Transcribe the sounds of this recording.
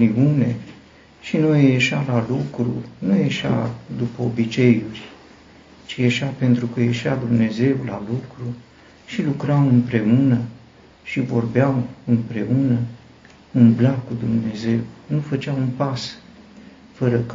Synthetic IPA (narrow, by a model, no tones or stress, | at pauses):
iune̞ | ʃinojjeʃalalukɾunujeʃa̰d̪upəobit͡ʃe̞jurʲ | t͡ʃijeʃape̞nt̪ɾukəje̞ʃiad̪umne̞ze̞wla̰lukɾu | ʃilukɾamɨmpɾe̞unə | ʃivo̞rbeawɨmpɾe̞unə | unblakːud̪umne̞ze̞wnufət͡ʃawunpas | fəɾək